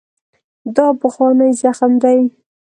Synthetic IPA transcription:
d̪ɑpəxwɑnəjzaxmd̪aj

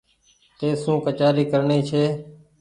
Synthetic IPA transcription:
t̪eːsũːkət͡ʃaːɾiːkəɾɳiːt͡ʃʰeː

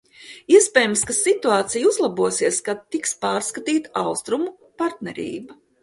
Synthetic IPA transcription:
iɛspʲɛːjamskasit̪uaːt̪sijuzlˠabuɔsiɛskat̪ːikspaːɾskat̪iːt̪aawst̪ɾumu | paɾt̪nɛɾḭːba

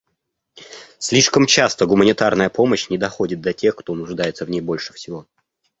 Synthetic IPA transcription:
sʲlʲiʂkəmt͡ɕast̪əɡʊmənʲɪt̪arnəjəpo̞məɕnʲɪd̪ɐxo̞dʲɪt̪̚d̪ɐtʲe̞xkt̪o̞nʊʐd̪ajɪt̪səvnʲejbo̞lʲʂɨ̥fsʲɪvo̞

